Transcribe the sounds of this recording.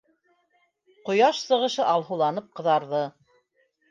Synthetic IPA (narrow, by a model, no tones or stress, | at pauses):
qŏjɑʃsɤ̆ʁɤ̆ʃɤʔɑlˠɦŭlˠɑnɤp̚qɤ̆ðɑɾðɤ